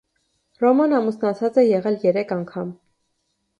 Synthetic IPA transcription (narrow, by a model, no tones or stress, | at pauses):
rɔmɑnɑmusnɑt͡sʰɑt͡sɛjɛʁɛljɛɾɛkʰɑŋkʰɑm